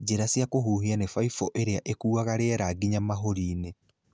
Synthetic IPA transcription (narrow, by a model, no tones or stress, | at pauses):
d͡ʒeɾasiakoɦuɦianefaifɔʔeɾeaʔekuːaɣaɾeɛɾaːɡiɲamaɦoɾiːne